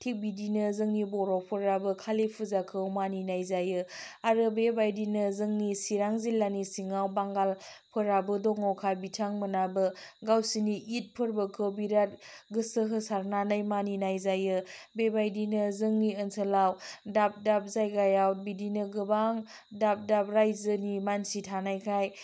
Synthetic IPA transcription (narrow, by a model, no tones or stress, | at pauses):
tʰik̚bidinɯzɯŋnibɔɾɔk̚pʰɯɾabɯkʰalepʰɯzakʰɯwmaninajzajɯaɾɯbebajdinɯzɯŋnisiɾaŋzilːanisiŋawbaŋɡalpʰɯɾabɯdɔŋɔwkʰabitʰaŋmɯnabɯɡawsiniʔit̚pʰɯɾbɯkʰɯwbiɾat̚ɡɯsəɦɯsaɾnanɯjmaninajzajɯbebajdinɯzɯŋniənsʰəlawdap̚dap̚zajɡajawt̚bidinɯɡɯbaŋ | dap̚dap̚ɾajzɯnimansitʰanajkʰaj